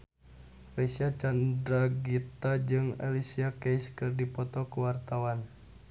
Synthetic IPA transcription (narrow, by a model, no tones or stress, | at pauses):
resiat͡ʃandɾaɡit̪ad͡ʒɨŋa̰lisiakɛjskɨrdipɔt̪ɔkuwart̪awan